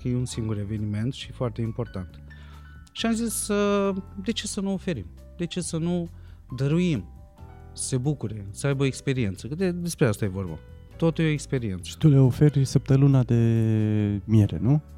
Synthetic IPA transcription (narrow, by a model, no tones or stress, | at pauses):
kəjeunsiŋɡuɾe̞ve̞nime̞nt̪ʃifoart̪eimpo̞rt̪ant̪ | ʃiamzisəd̪e̞t͡ʃe̞sənuofe̞ɾḭm | d̪e̞t͡ʃe̞sənu | d̪əɾuim | se̞bukuɾe̞səajbəoekspe̞ɾie̞nt̪səkɨd̪ed̪e̞spɾeast̪aje̞vo̞rba̰ | t̪ot̪ujeoekspe̞ɾie̞nt̪sə̥t̪uleofe̞rʲsəp̚t̪əlɨnad̪e̞ | mieɾḛnu